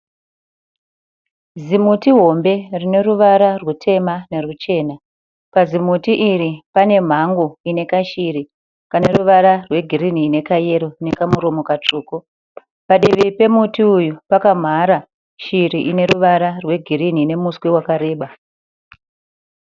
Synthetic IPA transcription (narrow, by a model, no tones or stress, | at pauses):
zimutiɦo̞mbe̞rine̞ruʋaɾarwutʰe̞mane̞rut͡ʃe̞ːna | pazimutiʔiɾipane̞m̤aŋɡoine̞kaʃiɾi | kaneruʋaɾarwe̞ɡʱiɾin̤ine̞kaje̞ɾo̞ne̞kamuɾo̞mo̞kat͡ʂuːko | paɗiʋipe̞mutiujupakam̤aɾa | ʃiɾiʔine̞ɾuʋaɾarwe̞ɡʱiɾin̤ine̞muswewakaɾe̞ːɓa